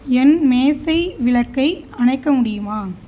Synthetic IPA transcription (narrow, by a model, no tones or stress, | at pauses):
ɛnmeːsɐɪʋɪɭɐkːɐɪ | ɐnɐɪkːɐmʊɽɪjɯmaː